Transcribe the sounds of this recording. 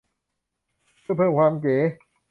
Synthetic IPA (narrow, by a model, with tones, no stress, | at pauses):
pʰːpʰɤː˥˩mkʰwaː˧mkeː˨˩˦